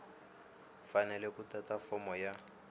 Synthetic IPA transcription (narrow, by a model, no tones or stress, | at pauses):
fanɛlɛkutatafɔmɔja